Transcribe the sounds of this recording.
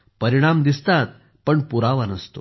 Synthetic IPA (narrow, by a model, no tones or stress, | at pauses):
pəɾiɽ̃amd̪ist̪at̪̚ | pəɳpuɾaʋanəst̪o̰